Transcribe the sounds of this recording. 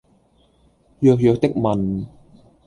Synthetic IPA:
jœː˧k̚jœː˧k̚t̪ɪ˥k̚mɐ˨n

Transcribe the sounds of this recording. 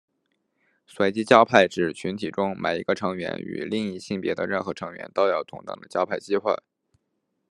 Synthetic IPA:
swe˧˥ɪt͡ɕi˥t͡ɕjɑ˥ʊpʰa˥˩ɪʈ͡ʂɻ̩˨˩t͡ɕʰy˧˥nt̪ʰi˨˩ʈ͡ʂʊ˥ŋma̰˨˩ɪi˧˥ɡə˧ʈ͡ʂʰɤ˧˥ŋɥɛ̰˧˥ny̰˨˩li˥˧ŋi˥˧ɕi˥˩ŋpjɛ˧˥d̪ə̰˧ɻə˥˧nxɤ˧˥ʈ͡ʂʰɤ˧˥ŋɥɛ̰˧˥nt̪o˥ʊjɑ˥˩ʊt̪ʰʊ̰˧˥ŋt̪ɑ̰˥˩ŋd̪ə˦t͡ɕjɑ˥ʊpʰa˥˩ɪt͡ɕi˥xwa̰˥˩ɪ

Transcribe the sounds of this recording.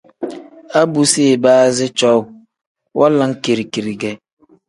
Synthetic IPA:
a˦bu˨se˦˨ba˦zɪ˦t͡ʃɔ˦w | wʔa˦la˨ŋ̩˦ke˨ɾi˨ki˨ɾi˨ɡe˨

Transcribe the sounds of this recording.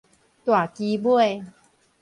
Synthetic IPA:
t̪wa˨˩ki˧bwe˧

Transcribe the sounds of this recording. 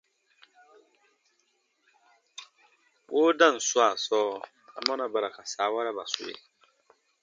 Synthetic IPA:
woː˦da˦˨n̩˨sʊ˦a˨sɔː˦ | a̰˨ma˦na˨ba˨ɾa˨ka˨saː˨˦wa˦ɾa˦ba˨sʊ̰˦˨ḛ˦˨

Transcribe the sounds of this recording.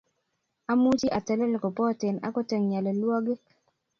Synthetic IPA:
a˦mu˦t͡ʃi˦ʔa˨tɛ˨lɛ˦lɔ˨kɔ˨pɔ˦te˨na̰˦kɔ˦te˨ŋɲa˨lɔ˨lwɔ˦ɡi˦

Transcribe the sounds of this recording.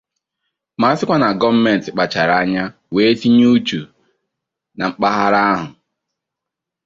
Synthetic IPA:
ma˨˦sɪ˦kʷa˦na˨ɡɔ˦m̩˦me˨n̩˨tɪ˨k͡pa˨t͡ʃa˨ɾa˦ɲa˦ | we˦ti˦ɲu˦t͡ʃu˨ | na˨ŋ͡m̩˦k͡pa˦ɦa˦ɾa˦a˦ɦʊ˨

